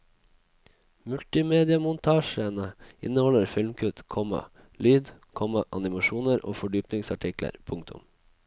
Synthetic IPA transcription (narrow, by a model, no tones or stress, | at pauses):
mʉlt̪ɪmeːd̪ɪɑmʊnt̪ʰɑːʃənəɪ̰nəhɔləɾfɪlmkʰʉt̪kʰɔmɑ̰ | lyːd̪kʰɔmɑʔɑnɪmɑʃuːnəɾʔo̰ːfɔɖyːpnɪŋsɑʈʰɪklə̰ɾpʰʊŋkt̪ʰʊ̰m